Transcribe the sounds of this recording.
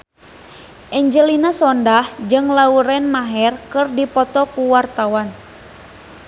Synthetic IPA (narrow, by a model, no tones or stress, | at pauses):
ʔɛɲd͡ʒəlinasɔndahd͡ʒɨŋlauɾɛnmaɦɛrkɨrdipɔt̪ɔkuwart̪awan